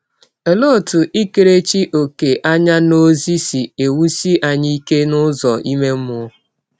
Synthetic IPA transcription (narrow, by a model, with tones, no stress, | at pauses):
ɛ˨lo˦˨tʊ˨ʔi˦ke˨ɾe˦t͡ʃi˦ʔo˨ke˨ʔa˦ɲa˦no˦zi˦si˨e˨wu˦si˦ʔa˨ɲi˦ke˦nʊ˦zɔ˨ʔi˦me˦m˦ʊ˨˦